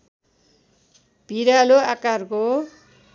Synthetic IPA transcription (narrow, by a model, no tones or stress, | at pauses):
b̥ʱiɾaloakarko